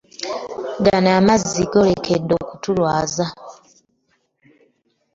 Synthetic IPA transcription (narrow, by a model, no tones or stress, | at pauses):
ɡanaːmazːiɡo̞le̞kʰedːo̞ːkutulwaːza